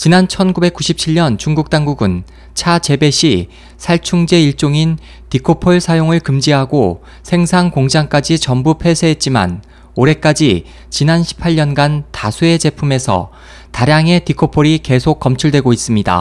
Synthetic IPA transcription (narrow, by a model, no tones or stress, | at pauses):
t͡ɕinant͡ɕʰʌnɡube̞k͈̚uɕʰip̚t͡ɕʰiʎːʌnt͡ɕuŋɡuk̚t͈aŋɡuɡɯn | t͡ɕʰat͡ɕe̞be̞ɕʰi | sʰaɭt͡ɕʰuŋd͡ʑe̞iɭt͡ɕ͈oŋin | tikʰopʰoɭsʰajoŋɯɭkɯmd͡ʑiɦaɡo | sʰe̞ŋsʰaŋkoŋd͡ʑaŋk͈ad͡ʑit͡ɕʌmbupʰe̞sʰe̞ɦet̚t͡ɕ͈ima̰n | oɾe̞k͈ad͡ʑi | t͡ɕinanɕʰi̥pʰaʎːʌnɡantasʰue̞d͡ʑe̞pʰume̞sʰʌ̰ | taɾjaŋe̞tikʰopʰoɾike̞sʰok̚k͈ːʌmt͡ɕʰuɭdwe̞ɡois͈ɯmɲida̰